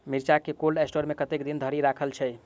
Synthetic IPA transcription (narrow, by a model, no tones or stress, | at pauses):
miɾt͡ʃakekolɖesʈoɾmekət̪ekd̪ind̪ʱəɾiɾakʰəlt͡ʃʰɛj